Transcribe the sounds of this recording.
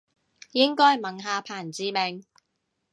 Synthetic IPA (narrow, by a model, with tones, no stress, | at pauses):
jɪ˥ŋkɔː˥jmɐ˨ŋɦaː˨˧pʰaː˨˩nt͡siː˨˧me˨˩ŋ